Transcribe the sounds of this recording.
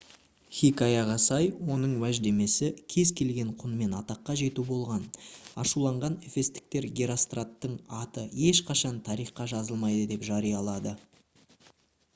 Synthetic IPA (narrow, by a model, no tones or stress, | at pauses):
χʲikɑjɑʁɑsɑjwo̞nəɴwæʒd̪e̞me̞sɪkʲʰe̞zkʲʰe̞lɡʲe̞ɴqʰʊnme̞nɑt̪ɑqːɑʒe̞t̪ubo̞lˠʁɑnɑʃulˠɑɴʁɑnefe̞st̪ɪ̥k̚t̪e̞ɾɡʲeɾost̪rat̪ːəɴɑt̪əe̞ʃqʰɑʃɑnt̪ʰɑɾijχqɑʒɑzəlˠmɑjd̪əd̪e̞pʒɑɾijɑlˠɑd̪ə